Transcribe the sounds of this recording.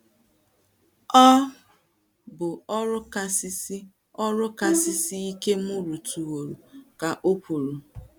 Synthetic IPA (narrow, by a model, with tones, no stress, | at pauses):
ɔ˦ | bʊ˨ɔ˦ɾʊ˦ka˦sɪ˦si˦ | ɔ˦ɾʊ˦ka˨sɪ˦si˦i˦ke˦m̩˦ʊ˦ɾu˨tu˨wo˨ɾu˨ka˨ʔo˦kʷu˨ɾu˨